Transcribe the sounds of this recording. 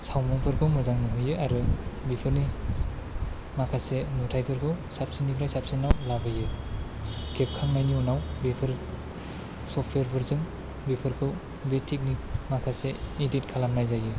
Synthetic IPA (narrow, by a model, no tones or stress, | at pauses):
sawmɯŋpʰɯɾkʰɯwmɯzaŋniɦujɯaɾɯbipʰɯɾni | makʰasenutʰajpʰɯɾkʰɯwsap̚sinipʰɾajsap̚sinawlabɯjɯ | ɡʰep̚kʰaŋnajniunawbipʰɯɾ | sɔpʰweɾpʰɯɾzɯŋ | bipʰɯɾkʰɯw | betʰik̚nimakʰaseidit̚kʰalamnajzajɯ